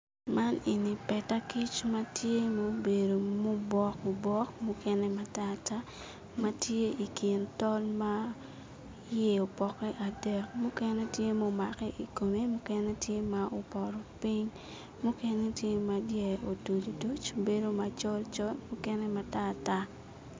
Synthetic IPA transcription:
ma˦ni˨ni˨pɛ˨ta˦ki˦t͡ʃma˦tje˦mo˦be˨do˨mo˦bwɔ˦ko˨bwɔ˦kmu˦kɛ˦nɛ˦mata˦ta˦ | ma˦tje˦i˨ki˨ntɔ˦lma˦ | je˦o˨pɔ˨kɛ˦ʔa˨dɛ˨kmu˦kɛ˦nɛ˦tje˦mo˦ma˨kɛ˦ʔi˨ko˨me˦mu˦kɛnɛ˦tje˦ma˨ʔo˨pɔ˨ɾɔ˨pi˦ɲ | mu˦kɛ˦ne˦tje˦ma˨djɛ˨o˨to˨li˨do˦t͡ʃobe˦do˦ma˨t͡ʃɔ˦lt͡ʃɔ˦lmu˦kɛ˦nɛ˦ma˦ta˦ta˦

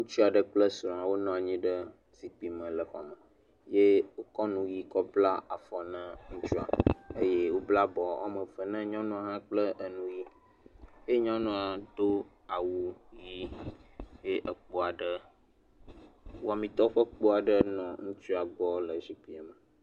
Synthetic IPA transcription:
ŋũ˦t͡ʃi˦a˨ɖə˦k͡plə˦sɾɔ̃˨a˨wo˦nɔ̃˨a˨ɲĩ˦ɖə˦ | si˨k͡pi˨mə̃˨lə˨xɔ̰˨mə̃˨ | je˦wo˦kɔ˦nũ˨ji˦kɔ˦bla˦a˨fɔ˨nã˦ŋũ˦t͡ʃu˦a̰˨e˦je˦wo˦bla˦bɔ˨a̰˨mə̃˨fə˨nɛ̃˦ɲɔ̃˦nũ˦a˨ɦã˦k͡plə˦ʔə˨nũ˦ji˦ | je˦ɲɔ̃˦nũ˦a˨ɖo˦ | a˨wu˨ji˦ | je˦ʔə˨k͡po˨a˨ɖə˦ | wo˦a˨mĩ˨t̪ɔ˦ɸə˦k͡po˦a˨ɖə˦nɔ̃˨ŋũ˦t͡ʃu˦a˨ɡ͡bɔ˦lə˨zi˦k͡pi˦a˨mə˨

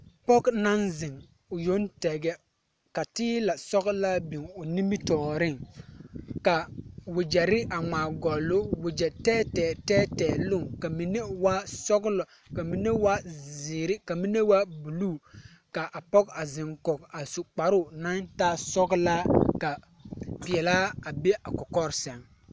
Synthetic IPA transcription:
pɔ˦kna˦nzɪ˨ŋ | ʊ˨jo˦ntɛ˨ɡɛ˦ | ka˨tɪː˦la˨sɔ˦ɡla˦bi˨ŋʊ˨ni˦mi˦tɔː˨ɾɪ˦˨ŋ | ka˨wʊ˨d͡ʒɛ˨ɾɪ˦ʔa˨ŋ͡maː˨ɡɔ˨lːʊ˦wʊ˨d͡ʒɛ˨tɛː˦tɛː˨tɛː˦tɛː˨lʊ˦˨ŋka˨mi˨ne˦wa˦sɔ˦ɡlɔ˨ | ka˨mi˦ne˦wa˦zɪː˨ɾɪ˦ka˨mi˦ne˦wa˦bu˨luː˦˨ | ka˨ʔa˨pɔ˦ka˨zɪ˨ŋkɔ˨ka˨sʊ˨k͡pa˨ɾʊ˦˨na˦ntaː˦sɔ˦ɡla˦ka˨ | pi˨ɛ˨laː˦a˨be˦ʔa˨kɔ˨kɔ˦ɾsɛ˨ŋ

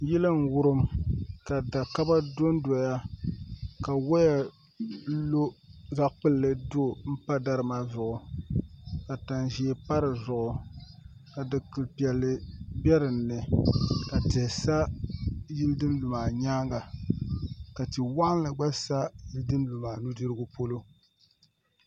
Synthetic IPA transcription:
jɛ˦lɨ˦ŋ̩˨wʊ˦ɾɨ˦mka˨da˨ka˦ba˦do˦ndo˨ja˦ | ka˨wa˦ja˨ | lo˦za˦ʔk͡pɨ˦lːɨ˦do˦˨m̩˦pa˦da˦ɾɨ˨ma˦zʊ˨ʔʊ˨ | ka˨ta˨nʒi˨e˨pa˦ɾɨ˨zʊ˨ʔʊ˨ | ka˨dɨ˨kɨ˨lpi˨ɛ˨lːɨ˨bɛ˦ɾɨ˨nːɨ˨ka˨tɨ˨hsa˦ji˦ldɨ˦n˦lu˨maː˨ɲaː˦ŋɡa˨ | ka˨tɨ˨wa˦ʔn˦lɨ˨ɡ͡ba˦sa˦ji˦ldɨ˦nlu˨maː˨nu˦dɨ˦ɾɨ˦ɡʊ˦po˦lo˦

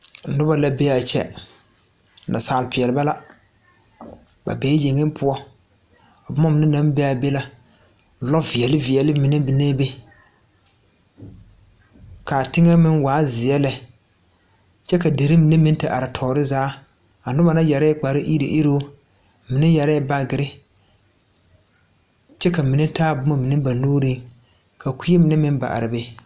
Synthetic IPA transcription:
nʊ˦ba˨la˨be˦a˨t͡ʃɛ̰˦˨ | nʔa̰˨saː˨lɪ˨pɪ˨ɛ˨lɪ˨ba˦la˦ | ba̰˨beː˦d͡ʒe˨ŋɪ˦m˦pʰʊ˦ɔ˦ | a˨bʊ˦mɔ˦mɪ˨nɪ˦na˦m˦be˦a˨be˦la˦˨ | lɔ˦vi˨ɛ˨lɪ˦vi˨ɛ˨lɪ˦mɪ˨nɛ˦bɪ˨ne˦be˦ | ka˨tɪ˦ŋɛ˦mɪ˦nwaː˨˦zɪ˨ɛ˦lɛ˨ | t͡ʃɛ˦ka˨de˨ɾɪ˦mɪ˨ne˦mɪ̃˦n˦tɪ˨ʔa˨ɾɪ˨tʰɔː˨ɾɪ˦zaː˦ | a˨dʊ˦ba˨na˦jɛ˨ɾa˦k͡pa˨ɾɪ˦ʔi˦ɾḭ˨ʔi˦ɾo˦ | mɪ˨nɛ˦jɛ˨ɾɛ˦ba˦ɡɪ˨ɾɪ˦ | t͡ʃɛ˦ka˨mi˨nɛ˦taː˦bʊ˨˦mɔ˦mɪ˨nɪ˦ba˨nuː˦ɾi˦ | ka˨kʷi˦e˦mɪ˨nɛ˦mɪ˦n˦ba̰˨ʔa̰˨ɾɪ˨be˦

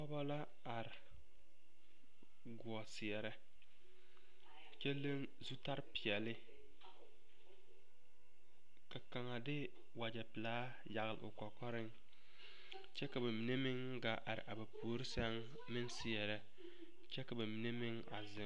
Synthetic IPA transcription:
ɔ˦ba˦la˦ | a˨ɾɪ˨ | ɡʊ˨ɔ˨sɪ˨ɛ˨ɾɛ˦ | t͡ʃɛ˦le˦ŋ | zu˦ta˦ɾpɪ˨ɛ˨lɪ˦ | ka˨ka˨ŋa˨dɪ˦ | wa˨d͡ʒɛ˨pɪ˨laː˦ | ja˨ɣɪ˨lɪ̰˨ʔʊ̰˨kɔ˨kɔ˦ɾɪ˦ŋ | t͡ʃɛ˦ka˨ba˨mi˨ne˦mɪ˦ŋ | ɡa˨ʔa˨ɾɪ̰˨ʔa˨ba˨pu˨o˨˦ɾɪ˦sɛ˦ŋ | mɪ˦nsɪ˨ɛ˨ɾɛ˦ | t͡ʃɛ˦ka˨ba˨mi˨ne˦mɪ˦ŋ | a̰˨zɪ˨

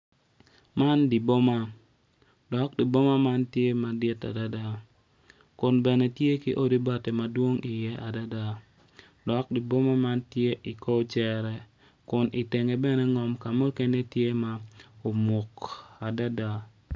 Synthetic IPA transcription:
ma˦ndi˨bo˦ma˦ | dɔ˨˦k̚di˨bo˦ma˦ma˦ntje˦ma˨dɪ˦ta̰˨da˦da˦ | kʊ˨nbɛ˨nɛ˨tje˦ki˦ʔo˦di˦ba˦te˨ma˨dwo˦ŋɪ˨jɛ˦ʔa˨da˦da˦ | dɔ˨˦k̚di˨bo˦ma˦ma˦ntje˦ʔi˨ko˦t͡ʃɛ˦ɾɛ˦ | kʊ˨nɪ˨te˨ŋe˨bɛ˦nɛ˦ŋɔ˨mka˨mo˦ke˦ne˦tje˦ma˦o˨mo˨ka˨da˦da˦

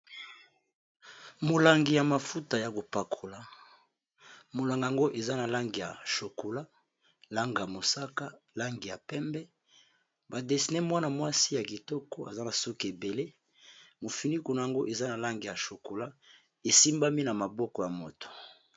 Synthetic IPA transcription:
mo˨la˨ŋɡi˨ja˨ma˨fu˦ta˨ja˨ko˨pa˨kʰo˨la˨ | mo˨la˨ŋɡa˨ŋɡo˦ʔe˨za˦na˨la˦ŋɡi˨ja̰˨ʃo˨ko˨la˦ | la˦ŋɡa˨ja˨mo˨sa˦ka˦la˦ŋɡi˨ja˨pɛ˦mbɛ˦ | ba˨de˨si˨nɛ˦mwa˦na˨mwa˦si˦ja˨ki˨tɔ˦kɔ˦a̰˨za˦na˨so˦ke˨be˨le˦ | mo˨fi˨ni˦ku˨na˨ja˨ŋɡo˦ʔe˨za˦na˨la˦ŋɡi˨ja˨ʃo˨ko˨la˦ | e˨si˦mba˦mi˦na˨ma˨bɔ˦kɔ˨ja˨mo˨to̥˨

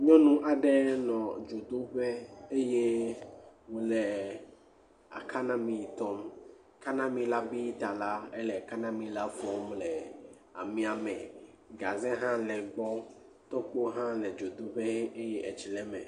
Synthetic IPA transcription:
ɲɔ̃˦nũ˦ʔa˨ɖɛ˦nɔ̃˨d͡ʒo˨d̪o˦ɸɛ˦e˦je˦ | wo˨lɛ˨ | a̰˨kʰa˦nã˦mĩ˨i˨t̪ɔ˦m | ka˦nã˦mĩ˨la˦bi˦t̪a˨la˦ɛ˦lɛ˨a˨ka˦nã˦mĩ˨la˦fɔ˦mlɛ˨ | a̰˨mĩ˨a˨mɛ̰̃˨ | ɡa˨zɛ̃˦ɦã˦lɛ˨ɡ͡bɔ˦ | t̪ɔ˦k͡po˦ɦã˦lɛ˨d͡ʒo˨d̪o˦ɸe˦ɦe˦ʔe˦je˦ʔɛ˨t͡ʃi˨lɛ˦mɛ̰̃˨

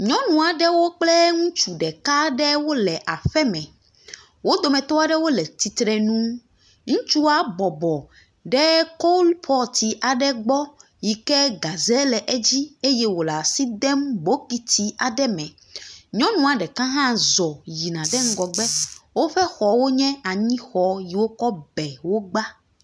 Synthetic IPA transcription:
ɲɔ̃˦nũ˨a˨ɖɛ˦wo˦k͡plɛ˦ŋũ˦t͡ʃu˨ɖɛ˨ka˦ɖɛ˦wo˦lɛ˨ʔa˨ɸɛ˦mɛ̃˨ | wo˦d̪o˨mɛ̃˨t̪ɔ˦a˦ɖɛ˦wo˦lɛ˨t̪i˨t̪ɾɛ˨nũ˦ | ŋũ˦t͡ʃu˦a˦bɔ˨bɔ˨ | ɖɛ˦ko˦lpʰɔ˦t̪i˨ʔa˨ɖɛ˦ɡ͡bɔ˦ | ji˨kɛ˦ɡa˨zɛ˦lɛ˨ʔɛ˦d͡ʑi˦e˦jɛ˦wo˨la˨si˦d̪ɛ˦mbo˦ki˦t̪i˦a˨ɖɛ˦mɛ̃˨ | ɲɔ̃˦nũ˦a˨ɖɛ˨kã˦ɦã˦zɔ˨ji˨nã˨ɖɛ˦ŋ̩˦ɡɔ˨ɡ͡bɛ˦wo˦ɸɛ˦xɔ˨wo˦ɲɛ̃˦a˨ɲĩ˦xɔ˨ji˨wo˦kɔ˦bɛ˨wo˦ɡ͡ba˦

